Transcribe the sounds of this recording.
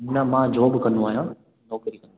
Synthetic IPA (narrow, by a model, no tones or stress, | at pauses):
nɐmãːd͡ʒoːbkɐnũaːɦjãː | nɔːkɾikɐnu